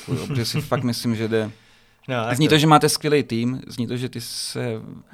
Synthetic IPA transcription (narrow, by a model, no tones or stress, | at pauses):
kuj̰pʒɛsɪfakt̪mɪslɪmʒɛdɛ | zɲiːt̪oʒɛmaːt̪ɛskʋjɛlɛjt̪iːmzɲiːt̪oʒɛt̪ɪsɛ